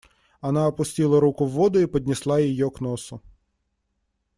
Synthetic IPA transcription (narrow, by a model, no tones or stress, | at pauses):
ɐnɑɔpʊsʲtʲilˠɐɾukʊʋːɔd̪ʊipɔdʲnʲɪslˠɑjijɔknɔsʊ